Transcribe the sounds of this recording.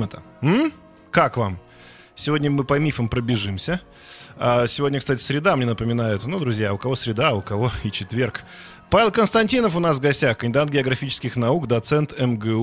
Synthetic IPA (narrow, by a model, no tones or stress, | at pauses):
mət̪ə | m̩ | kakvam | sʲɪvo̞dʲnʲəmɨpɐmʲifəmpɾəbʲɪʐɨmsʲə | asʲɪvodʲnʲəkst̪atʲɪ̥sʲɾʲɪd̪amnʲenəpəmʲɪnajʊt̪nud̪ɾʊzʲjaʊkɐvo̞sʲɾʲɪd̪aʊkɐvo̞it͡ɕɪt̪vʲe̞rk | pavʲɪlˠkənst̪ɐnʲtʲinəfʊnasvɡɐsʲtʲaxkənʲɪd̪at̪̚ɡʲɪɐɡɾɐfʲit͡ɕɪ̥skʲɪxnɐukd̪ɐt̪sɛnt̪ɛmɡɛ